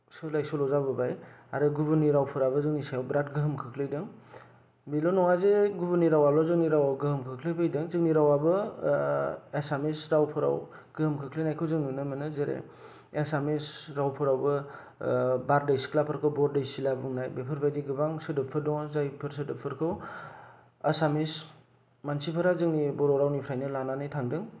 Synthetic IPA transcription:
sɯlajsɔlɔzabɯbajaɾɯɡubɯniɾawpʰɯɾaβɯzɯŋnisajwbɾatɡɯɦɯmkʰɯkʰlɯjdɯŋ | bilonɔŋazeɡubɯniɾawabɯzɯŋniɾawaɡɯhɯmkʰɯkʰlɯpʰɯjdɯŋzɯkniɾawabɯ | esamesɾawpʰɯɾa̰w | ɡ̥ɯhɯmkʰɯkʰlejnajkʰɯwzɯŋnɯnɯmɯnɯzeɾḛ | esamisɾawpʰɯɾawbɯ | baɾdajsi̥klapʰɯɾkʰɯwbɔɾdajsilabuŋnajbepʰɯɾbajdiɡɯbaŋsɯdɯpʰːɯɾdɔŋzajpʰɯɾsɯdɯpʰɯɾkʰɯw | asamis | mansipʰaɾazɯŋnibɔɾɔɾawnipʰɾajnɯlananɯjtʰaŋdɯŋ

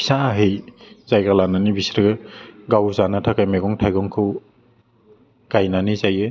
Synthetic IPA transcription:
i̥saɦɯjz̥ajɡalananibisɾɯɡɯɡawzanatʰakajmeɡɔŋtʰajɡɔŋkʰɯw | ɡ̥ajnanizajɯ

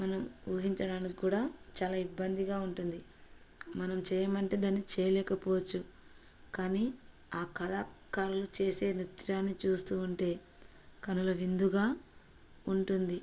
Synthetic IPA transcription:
mɐnɐmuːɦiɲt͡ʃɐɽaːnikikuːɽaːt͡ʃaːlaːibːɐnd̪iɡaːuɳʈund̪i | mɐnɐmt͡ʃɛːjɐmɐɳʈe̞ːd̪aːnːit͡ʃɛːjɐlɛːkɐpɔːʋɐt͡ʃːu | kaːni | aːkɐlaːkaːɾulut͡ʃe̞ːse̞ːnit̪ɾaːnːit͡ʃuːst̪uːuɳʈe̞ː | kɐnulɐʋind̪uɡaː | uɳʈund̪i

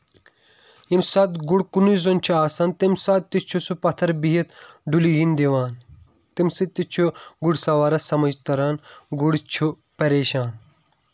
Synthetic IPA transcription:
imsɐːt̪ɡuɽkunizont͡ʃʰuaːsɐːnt̪imsɐːd̪̚t̪it͡ʃʰusupɐt̪ʰɐɾbiɦɐt̪ɖuliɡind̪ieʋaːn | t̪imsit̪it͡ʃʰuɡuɽsɐʋaːɾɐsɐmɐd͡ʒt̪ɐɾaːnɡuɽt͡ʃʰu | pɐɾeːʃaːn

